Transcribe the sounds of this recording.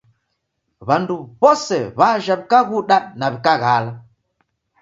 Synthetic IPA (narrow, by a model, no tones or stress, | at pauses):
βanduβɔsɛβaʒaβikaɣuɗaɗnaβikaɣala